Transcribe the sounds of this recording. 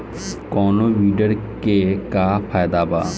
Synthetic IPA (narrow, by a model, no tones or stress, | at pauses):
kɔːnoʋiːɖəɾkekapʰaːjd̪aːbaː